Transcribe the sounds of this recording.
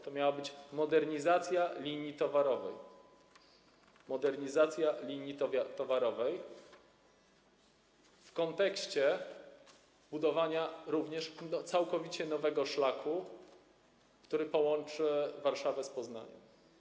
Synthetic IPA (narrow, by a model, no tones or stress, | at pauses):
t̪ɔmʲjawabɘt͡ɕmɔd̪ɛɾɲizat̪sʲjalʲiɲit̪ɔvaɾɔvɛ̰j | mɔd̪ɛɾɲizat̪sʲjalʲiɲit̪t̪ɔvaɾɔvɛj | fkɔnt̪ɛkɕt͡ɕɛ | bud̪ɔvaɲaɾuvɲɛʂt̪sawkɔvʲit͡ɕɛnɔvɛɡɔʂlakʰu | kt̪uɾɘpɔwɔnt͡ʂɘvaɾʂavɛspɔzna̰ɲɛ̰m